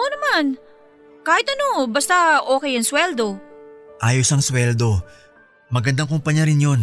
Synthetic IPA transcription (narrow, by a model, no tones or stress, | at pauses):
ʔonɐman | kaːhɪt̪ɐno̞bɐst̪aʔoːkɛjɐŋswɛld̪o̞ʔaːjosɐŋswɛld̪o̞ | mɐɡɐnd̪aŋkʊmpɐɲjaɾɪnjo̞n